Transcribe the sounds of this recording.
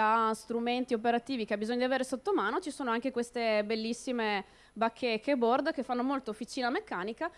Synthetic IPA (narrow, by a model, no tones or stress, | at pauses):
ast̪ɾument̪iop̬eɾat̪iːvikeabːizoɲːd̪iaveːɾesot̪ːomaːnot͡ʃisoːnoaŋkekwest̪ebelːisːime | bakʰːekʰːebord̪k̟efːanːomolt̪oofit͡ʃiːnamekːaːnika